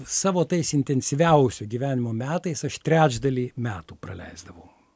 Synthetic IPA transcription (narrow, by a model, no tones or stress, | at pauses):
sɑːʋoːt̪ɐɪsɪnʲt̪ʲɛnʲsʲɪʋʲæˑʊsʲoːɡʲiʋʲæːnʲɪmoːmʲæːt̪ɐɪsɐʃt̪ʲɾʲæːd͡ʒd̪ɐlʲiːmʲæːt̪uːpɾɐ̰lʲɛ̰ɪzd̪ɐʋɐʊ